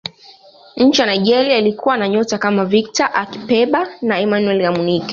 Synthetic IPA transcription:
ɲ̩t͡ʃijanaiʄɛɾiailikuwanaɲɔtakamavik̚taʔaki̥pɛɓanaɛmanuɛlɡamunikɛ̥

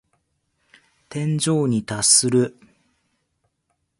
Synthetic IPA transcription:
t̪ẽ̞ɲ̟d͡ʑo̞ːɲ̟it̪asɨɾɯ̟

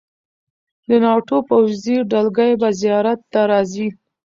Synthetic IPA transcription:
d̪ənɑʈopawziɖalɡajbazijɑɾat̪ːaɾɑzi

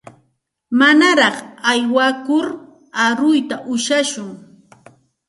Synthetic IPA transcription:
manaɾɑχajwakʊɾ | aɾʊjt̪aʔʊʃaʃʊŋ

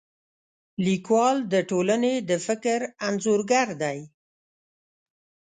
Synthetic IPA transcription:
likwɑld̪əʈolaned̪əfɪkɾanzoɾɡaɾd̪aj

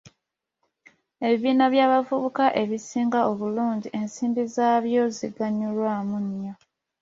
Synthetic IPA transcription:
e̞βiβiːnaβjaːβavuβukaʔe̞βisiːŋɡaoβuluːɲɟiʔe̞nsiːmbizaːβjo̞ziɡaɲulwaːmuɲja

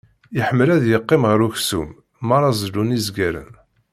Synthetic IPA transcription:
əħəmːəlæðjəqːemʁəɾuçsum | mɑɾˤɑzlunizɡæɾə̰n

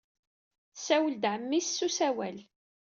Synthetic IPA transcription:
θsæwəld̪ʕəmːisːusæwæl

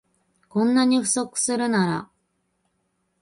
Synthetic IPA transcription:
kõ̞nːaɲ̟iɸɯ̟̥so̞kɯ̟̥sɨɾɯ̟naɾa̰

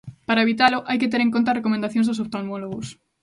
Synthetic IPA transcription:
paɾaeβit̪aloʔajket̪eɾẽŋkont̪arekomẽnd̪aθjõnzðosopt̪olmoloɣos

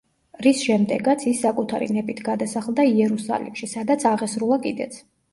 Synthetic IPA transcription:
ɾisʃɛmd̪ɛɡat̪sʰisːakʼut̪ʰa̰ɾḭnɛpʼit̪ʰɡad̪asaχlˠd̪aiɛɾusa̰lḭmʃisad̪at̪sʰaʁɛsɾulˠakʼḭd̪ɛ̰t̪sʰ

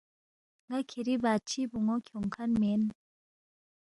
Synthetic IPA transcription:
ŋakʰeɾipat͡ɕʰipuŋokʰɔŋkʰanmen

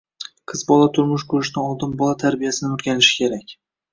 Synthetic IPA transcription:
qʰɨzbɒlˠat̪ʰʊɾmʊʃkʰʊɾɪʃ̬d̪anɒlˠd̪ɪmbɒlˠat̪ʰaɾbijasɪnɪmʊɾɡʲanɪʃɪ̥kʲʰe̞ɾakʲ

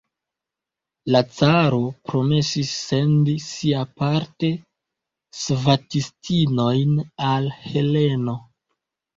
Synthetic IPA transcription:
lat͡saɾo̞pɾo̞me̞sisːe̞ndisiapaɾte̞ | svatistino̞jnalhe̞le̞no̞

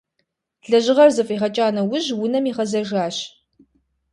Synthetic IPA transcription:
ɮɐʑɪʁɐrzɨfʼiːʁɐt͡ʃʼaːnɐwʊʑwʊnɐmiːʁɐzɐʒaːɕ

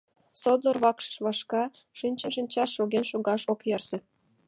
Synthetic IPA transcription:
sod̪lˠərβɑkʃə̥ʃβɑʃkɑ | ʃinʲt͡ɕə̆nʃinʲt͡ɕɑʃːoɣenʃoɣɑʃokjersĕ

